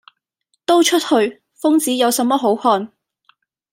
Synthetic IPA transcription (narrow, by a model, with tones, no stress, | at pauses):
t̪o˥wt͡ʃʰɵ˥t̚hɵ˧ɥ | fʊ˥ŋt͡siː˨˥jɐ˨˧wsɐ˨˧˥mːɔː˥ɦo˨˥whɔː˨˧n